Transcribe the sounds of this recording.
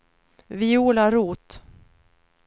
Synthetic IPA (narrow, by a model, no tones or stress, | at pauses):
vɪuːlaɾuːt̪